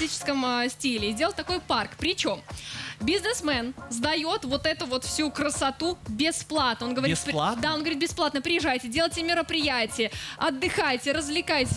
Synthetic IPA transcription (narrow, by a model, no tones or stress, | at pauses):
it͡ɕɪ̥skəmsʲtʲilʲɪːdʲelˠət̪ɐko̞jparkpɾʲɪt͡ɕo̞mbʲɪznɨsmɛnzd̪ɐjo̞t̪vo̞t̪ɛt̪ʊvo̞t̪fsʲukɾəsɐt̪ubʲɪsplˠat̪nəo̞nɡəvɐɾʲt̪pd̪ao̞nɡəvɐɾʲit̪̚bʲɪsplˠat̪nəpɾʲɪjɪʐajtʲɪdʲe̞lˠəjtʲɪmʲɪɾəpɾʲɪjætʲɪjəɐd̪ːɨxajtʲɪɾəzvlʲɪkajtʲɪ